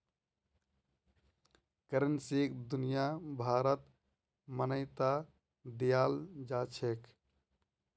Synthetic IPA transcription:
kəɾənsekd̪unijabʱaɾət̪ | mənəɪt̪a | d̪ijald͡ʒat͡ʃʰek

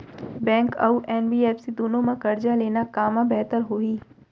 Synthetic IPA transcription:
bɛ̃ːŋkɐ̰uʔɛːnbiːɛːpsid̪oːnõmãkɐɾd͡ʒaleːnakaːmãbɛɦt̪əɾɦoːiː

